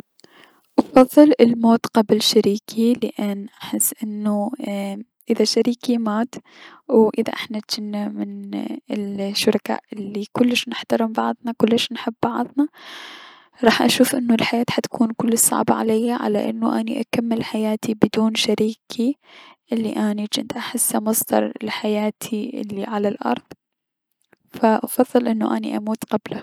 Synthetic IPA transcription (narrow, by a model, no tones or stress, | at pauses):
ʔɑfɑðˤːɨlɪlmoːt̪qɑblʃaɾiːkʰilɪʔanːʔaħɪsːʔɪnːu | ʔɪðaʃaɾiːkimaːt̪ | wʔɪða̰ʔɪħnat̪d͡ʒ̥anːamɪnɪlʃːʊɾˤɑka̰ːʔʔɪlːikʊlːɪʃnɪħt̪ɑɾɪmbɑʕðˤnɑkʊlːɪʃnħɪbːɑʕðˤnɑ | ɾˤɑːħʔa̰ʃuːfʔɪnːʊlħajaːt̪ħat̪ḁkʰuːnkʊlːɪsˤːɑ̰ʕbaʕa̰lajːaʕa̰la̰ʔɪnːuʔaniʔakamːɪlħajaːt̪ibɪd̪uːnʃaɾiːkʰiʔɪlːiʔanid͡ʒɪnt̪ʔaħɪsːamɑsˤd̪ɑ̰ɾˤɪlħajaːt̪ʰiɪ̰lːiʕalalʔɑ̰ɾˤðˤ | faʔɑfɑðˤːɨlʔɪnːṵʔanḭʔamuːt̪qabla